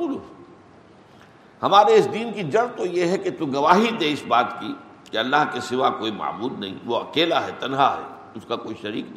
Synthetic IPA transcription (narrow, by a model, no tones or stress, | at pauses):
l | hɐmaːɾeɪsd̪iːnkid͡ʒɐɾt̪ojeɦɛket̪uɡɐʋaːɦid̪eɪsbaːt̪ki | keɐlːaɦkesɪʋakoːima̰ːmuːlnɐ̰ɦḭ̃ʋoɐkeːlaɦɛt̪ɐnɦaɦɛ̰ | ʊskakoːiʃɐɾḭːk